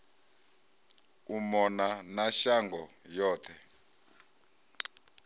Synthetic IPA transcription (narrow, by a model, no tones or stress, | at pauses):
umɔnanaʃaŋɡɔjɔːt̪ʰɛ